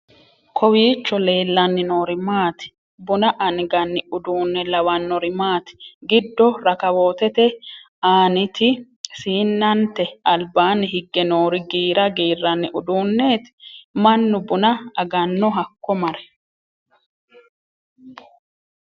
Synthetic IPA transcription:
kʰɔwiːt͡ʃːɔle̞ːlːɐnːɪno̞ːɾɪmaːt̪ɪ̥ | bʊnɐʔɐnɪɡɐnːɪʊd̪uːnːɛlɐwɐnːɔɾɪmaːt̪ɪ̥ɡɪd̪ːɔɾɐkɐwo̞ːt̪ɛt̪ɛ | aːnɪt̪ɪ | siːnːɐnt̪ɛɐlbaːnːɪɦɪɡːɛnoːɾɪɡiːɾɐɡiːrːɐnːɪʔʊd̪uːnːeːt̪mɐnːʊbʊnɐːɡɐnːɔɦɐkːɔmɐɾɛ̥

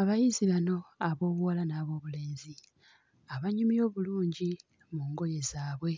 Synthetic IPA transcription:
aβajiziβano̞aβo̞ːβuwalanaːβo̞ːβule̞ːnzi | aβaɲumijo̞ːβuluːɲɟi | muːŋɡo̞je̞zaːβwe̞

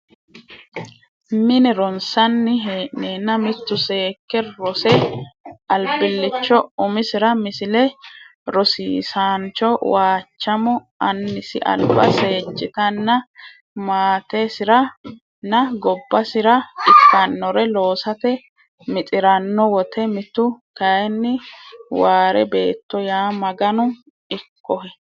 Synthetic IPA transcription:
mɪnɛɾɔnsɐnːɪɦeːʔnːeːnːɐmɪt̪ːʊse̞ːkːɛɾɔsɛ | ʔɐlbɪlːɪt͡ʃːɔʊmɪsɪɾɐmɪsɪlɛ | ɾɔsiːsaːnt͡ʃːɔwaːt͡ʃːɐmɔʔɐnːɪsɪ̰ʔɐ̰lbɐ̰se̞ːd͡ʒːɪt̪ɐnːɐ | maːt̪esɪɾɐ | nɐɡɔbːɐsɪɾɐɪkːɐnːɔɾɛlo̞ːsɐt̪ɛ | mɪt̪ʼɪɾɐnːɔwɔt̪ɛmɪt̪ʊkɐjɛnːɪwaːɾɛbe̞ːt̪ːɔjaːmɐɡɐnʊ | ɪkːɔhɛ

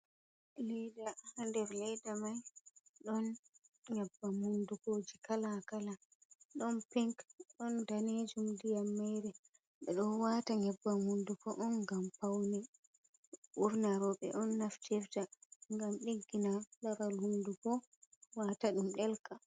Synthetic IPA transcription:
lɛjdandɛɾlɛjdamajɗɔnɲɛbːamundukoːd͡ʒikalakala | ɗɔnpiŋkɗɔndaned͡ʒumdijamːɛjɾɛ | ɓɛɗɔnwataɲɛbːamundukɔʔɔnɡampawnɛ | ʔuɾnaɾɔɓɛ̰ʔɔnːaftʰɛftaŋɡamɗiɡːinalaɾalhundukɔ | wataɗumɗɛlka

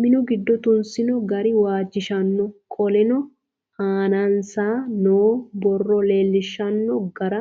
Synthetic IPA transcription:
mɪnʊɡɪd̪ːɔt̪ʊnsɪnɔɡɐɾɪwaːd͡ʒːɪʃɐnːɔkʼɔlɛnɔ | haːnansaːnoːbɔrːɔle̞ːlːɪʃːɐnːɔɡɐɾɐ

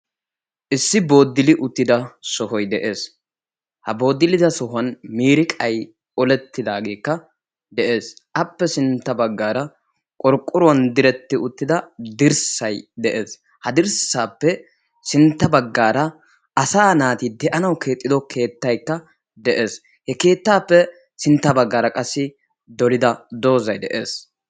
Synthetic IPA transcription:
ʔɪsːɪbo̞ːd̪ːɪlɪʔʊt̪ːɪd̪ɐsɔɦɔjd̪ɛʔe̞ːs | hɐbo̞ːd̪ːɪlɪd̪ɐsɔɦɐnmiːɾɪkʼɐj | ɔlɛt̪ːɪd̪aːɡeːkːɐ | d̪ɛʔe̞ːsʔɐpːɛsɪnt̪ːɐbɐɡːaːɾɐ | kʼɔɾkʼːʊɾwɐnd̪ɪɾɛt̪ːɪʊt̪ːɪd̪ɐd̪ɪɾsɐjd̪ɛʔe̞ːs | hɐd̪ɪɾsaːpːɛ | sɪnt̪ːɐbɐɡːaːɾɐ | ɐsaːnaːt̪id̪ɛʔɐnɐwkʰe̞ːt̪ʼːɪd̪ɔkʰe̞ːt̪ːɐjkːɐ | d̪ɛʔe̞ːs | hɛke̞ːt̪ːaːpːɛ | sɪnt̪ːɐbɐɡːaːɾɐkʼɐsːɪ | d̪ɔlɪd̪ɐd̪o̞ːzɐjd̪ɛ̰ʔe̞ːs

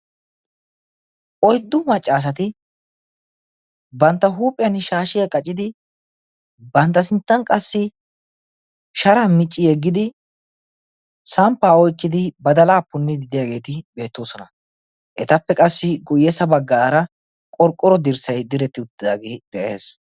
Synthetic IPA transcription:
ʔɔjd̪ːʊmɐt͡ʃʼːaːs̬ɐt̪ɪ | bɐnt̪ːɐɦuːpʼːɪjɐnʃaːʃɪjɐkʼɐt͡ʃʼːɪd̪ɪ | bɐnt̪ːɐsɪnt̪ːɐnkʼɐsːɪ | ʃɐɾamɪt͡ʃʼːɪjɛɡːɪd̪ɪ | sɐmpːaːɔjkːɪd̪ɪbɐd̪ɐlaːpːʊnːɪd̪ɪd̪ɪjaɡe̞ːt̪ɪbe̞ːt̪ːo̞ːsɔnɐ | ʔɛt̪ɐpːɛkʼɐsːɪɡʊjːɛsɐbɐɡːaːɾɐ | kʼɔɾkʼːɔɾɔd̪ɪɾsɐjd̪ɪɾɛt̪ːɪʊt̪ːɪd̪aːɡed̪̥ɛʔe̞ːs

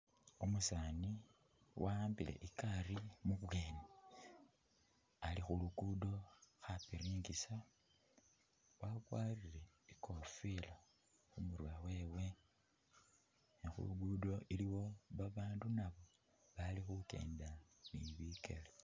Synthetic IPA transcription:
omusani | wʔaaːmbile̞̰ʔikarimuβwe̞ːne | alixuluɡudo̞xapiɾiːŋɡisa | wakwaːrile̞ | iko̞fila | xumuɾwawe̞ːwe̞ | nixṵɡudo̞ʔiliwo̞βaβaːndunaβo̞ | βalixuke̞̰ːndaniβikḛle

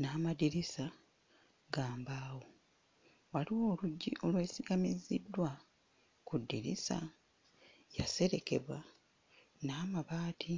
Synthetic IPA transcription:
naːmadiɾisa | ɡaːmbaːwo̞ | waliwo̞ːluɟːiʔo̞lwe̞ːsiɡamizidːwa | kudːiɾḭsa̰ | jase̞ɾe̞ke̞βwa | naːmaβaːtʰi

